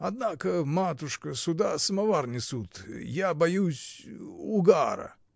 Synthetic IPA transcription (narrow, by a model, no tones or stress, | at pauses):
ɐd̪nakəmat̪ʊʂkəsʊd̪asəmɐvarnʲɪsut̪jabɐjusʲʊɡaɾə̰